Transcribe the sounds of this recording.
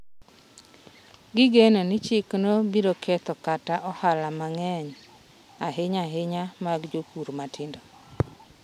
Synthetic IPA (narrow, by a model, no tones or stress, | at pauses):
ɡɪɡenonɪt͡ʃɪknobiɾokʰɛt̪ɔkataʔɔhalamaŋɛɲ | aɦɪɲaɦɪɲamaɡd͡ʒokuɾmatʰɪndo